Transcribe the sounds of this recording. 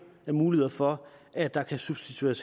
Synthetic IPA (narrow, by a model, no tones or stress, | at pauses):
æɐmuːliheðˠɐfɒ̽ʔæ̥d̥ɑ̈kʰæsub̥sd̥it͡sʰueɐs